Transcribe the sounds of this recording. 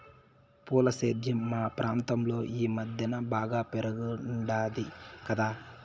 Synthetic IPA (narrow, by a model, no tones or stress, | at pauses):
puːlɐseːd̪ʱjɐmːaːpɾaːnt̪ɐmlo̞ːʔiːmɐd̪ʱjɐnɐbaːɡaːpeɾɐɡuɖaːd̪ikɐd̪aː